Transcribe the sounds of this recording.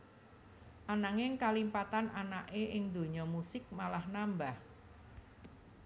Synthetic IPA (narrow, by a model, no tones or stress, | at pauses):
ʔanaŋɪŋkalimpat̪anʔanaʔeʔɪŋd̪o̤ɲɔmusɪk̚malahnambah